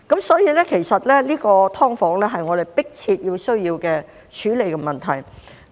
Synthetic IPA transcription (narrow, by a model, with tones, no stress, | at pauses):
kɐ˨˥msɔː˨˥jiː˨˧lɛː˥kʰe˨˩jsɐ˨t̚lɛː˥liː˥kɔː˧t̪ʰɔː˥ŋfɔː˨˥ŋlɛː˥ɦɐ˨jŋɔː˨˧ɾe˨jpɪ˥k̚t͡sʰiː˧t̚jiː˧wsɵ˥ɥjiː˧wkɛː˧ | t͡ʃʰyː˨˥le˨˧jkɛː˧mɐ˨nt̪ʰɐ˨˩j